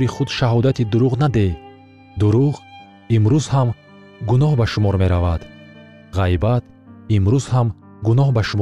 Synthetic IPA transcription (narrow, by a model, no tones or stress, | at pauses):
ɾiχud̪ʃaɦɔd̪at̪ʰid̪uɾuʁnad̪e | d̪uɾuʁ | imɾuzham | ɡunɔɦbaʃumɔɾme̞ɾavad̪̥ | ʁajbat̪ | imɾuz̥ham | ɡunɔhbaʃumɔ